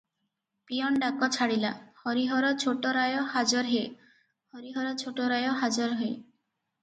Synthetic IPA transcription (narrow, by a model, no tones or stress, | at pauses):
pijɔɳɖakɔt͡ʃʰaɽilahɔɾiɦɔɾɔt͡ʃʰoʈɔɾajɔhad͡ʒɔɾɦe | hɔɾiɦɔɾɔt͡ʃʰoʈɔɾajɔɦad͡ʒɔɾɦe